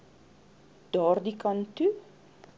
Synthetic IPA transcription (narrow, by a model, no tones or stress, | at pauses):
d̥ɔːrdikɐntu